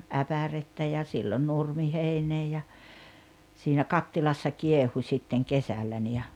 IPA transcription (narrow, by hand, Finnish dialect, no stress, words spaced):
æpæretːæ jɑ silːon nurmiheineː jɑ siːnæ kɑtːilɑsːɑ kiehu sʲitːeŋ kesælːæ ni jɑ